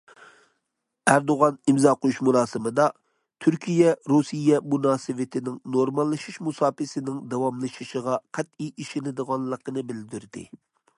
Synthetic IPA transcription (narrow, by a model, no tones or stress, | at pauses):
æɾd̪oʁɑnimzɑːqojuʃmuɾˠɑːsɨmɨd̪ɑ | t̪ʰyɾkʲʰijɛɾusijɛmunɑːsɨvɪt̪ʰɪnɪŋnoɾmɑlˠːɨʃiʃmusɑːpɪsɪnɪŋd̪ɛwɑmlˠɨʃiʃəʁɑqʰæt̪̚iʔiʃɪnɪd̪əʁɑnˠlˠəqənɨbɪld̪yɾd̪ɪ̰